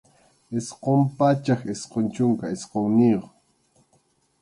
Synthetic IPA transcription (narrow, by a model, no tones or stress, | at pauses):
esqompat͡ʃaxesqont͡ʃʊŋkaesqoŋnijoχ